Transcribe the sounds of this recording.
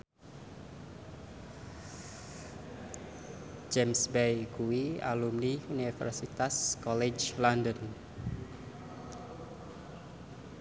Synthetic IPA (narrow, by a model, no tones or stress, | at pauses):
d͡ʒɛmsbejkuwia̰lumniunifɛ̰rsit̪askɔled͡ʒlandən